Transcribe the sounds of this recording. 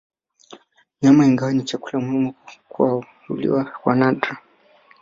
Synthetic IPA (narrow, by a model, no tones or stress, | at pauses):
ɲamaiŋɡawanit͡ʃakulamuhimukua | ulḭwakwa̰nadɾa